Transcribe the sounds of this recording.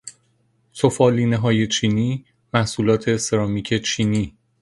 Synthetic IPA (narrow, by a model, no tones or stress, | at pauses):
sʰofɒːliːneɦɒːje̞t͡ʃʰiːniː | mæhsuːlɒːt̪ʰe̞seɾɒːmiːcʰe̞t͡ʃʰiːniː